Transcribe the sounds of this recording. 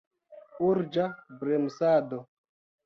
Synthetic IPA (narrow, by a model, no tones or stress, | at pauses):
uɾd͡ʒabɾɛmsadɔ